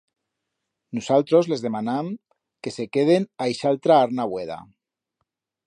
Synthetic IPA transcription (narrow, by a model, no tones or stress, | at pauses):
nusalt̪ɾozle̞zð̞e̞manam | ke̞se̞keð̞enajʃalt̪ɾaaɾnaβweð̞a̰